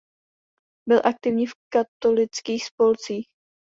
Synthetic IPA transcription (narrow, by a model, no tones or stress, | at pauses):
bɪlʔak̚t̪ɪvɲiːfkat̪o̞lɪt͡skiːxspo̞lt͡siːx